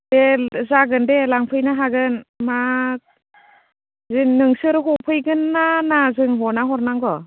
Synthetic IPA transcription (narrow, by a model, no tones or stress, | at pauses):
dezaɡɯndelaŋpʰɯjnaɦaɡɯnma | zɯnɯŋsɯɾɦɔpʰɯjɡɯnːanazɯŋɦɔnaɦɔɾnaŋɡɔ